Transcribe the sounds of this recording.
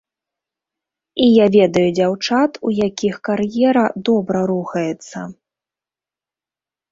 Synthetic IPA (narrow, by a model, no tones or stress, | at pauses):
ijavʲɛd̪ɐjud͡zʲawt͡ʂat̪ujakʲixkarjɛɾɐd̪ɔbɾɐɾuxɐjɛt̪sːɐ̰